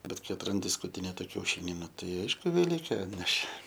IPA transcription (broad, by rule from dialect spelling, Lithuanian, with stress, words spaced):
ˈbʲɛt ˈkɐɪ ɐtrɐnʲˈdʲɪ skʊtʲɪˈnʲeːtɐ kʲɛʊˈʃʲɪnʲɪ ˈnʊ ˈtɐɪ ˈɐɪʃkʊ ʋʲɛˈlʲiːkʲeː ˈɑːtʲnʲɛʃʲeː